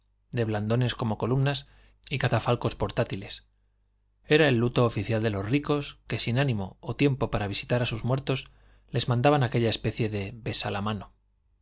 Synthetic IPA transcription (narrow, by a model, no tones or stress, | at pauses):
d̪e̞βland̪o̞ne̞sko̞mo̞ko̞lumnas | ikat̪afalko̞spo̞ɾt̪at̪ile̞s | e̞ɾae̞lːut̪o̞ːfiθjald̪e̞lozriko̞ske̞sinanĩmo̞̰ːt̪je̞mpo̞paɾaβ̞isi̥t̪aɾasuzmweɾt̪o̞s | le̞zmãnd̪aβanake̞ʎae̞spe̞θje̞ðe̞be̞salamano̞